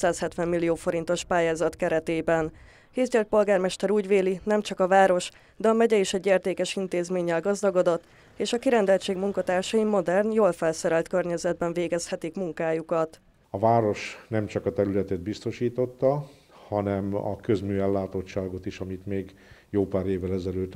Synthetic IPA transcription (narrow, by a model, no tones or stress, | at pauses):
saːshɛt̪ʋɛmːilːioːfo̞ɾint̪o̞ʃpaːjaːzɒt̪kɛɾɛt̪eːbɛn | heːzɟɛlt̪̚po̞lɡaːrmɛʃt̪ɛɾuːɟʋeːlinɛmt͡ʃɒkɒvaːɾo̞ʃ | d̪ɛɒmɛɟɛiʃɛɟːeːrt̪eːkɛʃint̪eːzmeːɲːɛlɡɒzd̪ɒɡo̞d̪o̞t̪ː | eːʃɒkiɾɛnd̪ɛlt͡ʃeːɡmuŋkɒt̪aːrʃɒjimo̞d̪ɛrnjoːlfɛlsɛɾɛlt̪kørɲɛzɛd̪̚bɛɱveːɡɛshɛt̪ikmuŋkaːjukɒt̪ | ɒvaːɾo̞ʃnɛmt͡ʃɒkɒt̪ɛɾylɛt̪ɛd̪̚bist̪o̞ʃiːt̪o̞t̪ːɒ | hɒnɛmɒ̰køzmyːɛlːaːt̪ot͡ʃt͡ʃːaːɡo̞t̪iʃɒmit̪meːɡ | joːpaːɾeːvːɛlɛzɛløːt̪ː